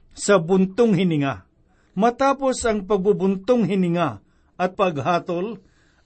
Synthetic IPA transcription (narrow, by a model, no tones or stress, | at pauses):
sɐbʊnt̪ʊŋhɪnɪŋa | mɐt̪aːposɐŋpɐɡ̚bubʊnt̪ʊŋɦɪnɪŋa | ʔɐt̪̚pɐɡɦaːt̪ol